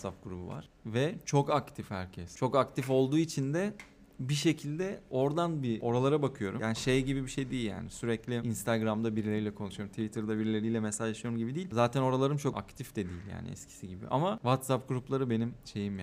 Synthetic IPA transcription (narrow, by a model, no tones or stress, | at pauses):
sap̚ɡuɾubṵva̰ɾ̥vɛt͡ʃʰo̞kakt̪ʰifhæɾcʰɛst͡ʃʰo̞kakt̪ʰifo̞lˠd̪uːit͡ʃʰind̪ɛ | biʃe̞cʰilʲd̪ɛo̞ɾd̪anbio̞ɾalˠaɾabakʰɯjo̞ɾujaːniʃejɟibibiʃe̞jd̪ejilʲja̰ːnisyɾɛclʲiinst̪ʰaɡɾamd̪abiɾlʲe̞ɾijlʲɛkʰo̞nuʃujo̞ɾmt̪ʰivit̪ʰɯɾd̪abiɾlʲe̞ɾijlʲɛmesaaʃɯjo̞ɾumɟibid̪iːlʲzaːt̪ʰɛno̞ɾalˠaɾɯmt͡ʃʰo̞a̰kt̪ʰifd̪ɛd̪iːlʲja̰ːnɪ̰ɛ̰scʰi̥siɟibḭʔa̰mavat̪sap̚ɡuɾuplˠaɾɯbe̞nimʃe̞jim